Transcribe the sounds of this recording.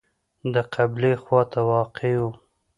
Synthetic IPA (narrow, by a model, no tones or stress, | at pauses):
d̪əqʰablexwɑt̪awɑqewu